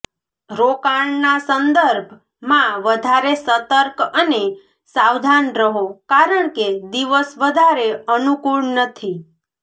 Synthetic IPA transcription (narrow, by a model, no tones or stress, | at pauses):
ɾokaɳnasənd̪əɾbʱ | mãʋəd̪ʱaɾesət̪əɾkəne | sawd̪ʱanɾəɦokaɾəɳked̪iʋəsʋəd̪ʱaɾeənukuɽnət̪ʰi